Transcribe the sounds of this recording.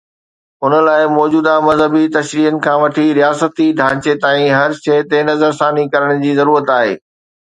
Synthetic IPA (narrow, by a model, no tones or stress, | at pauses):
ʊnəlaːɪmɔːd͡ʑuːd̪amɐzɦəbit̪ɐʃɾiːɦənɪ̆kʰãːʋɐʈʰiɾijaːsət̪id̪ʱãːt͡ɕet̪aːĩɦɐɾʃɐt̪enɐzəɾsaːnikɐɾəɽ̃d͡ʑiːzɐɾuːɾət̪aːɦḛː